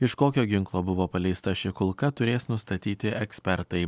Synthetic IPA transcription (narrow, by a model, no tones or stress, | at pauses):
ɪʃkoːkʲoːɡʲɪŋklˠoːbʊʋoːpɐlʲɛɪst̪ɐʃʲɪkʊlˠkɐt̪ʊɾʲeːsnʊst̪ɐt̪ʲiːt̪ʲɪʔɛksʲpʲɛɾt̪ɐɪ